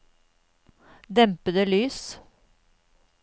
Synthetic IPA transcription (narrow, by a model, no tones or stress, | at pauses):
d̪ɛmpəd̪əlyːs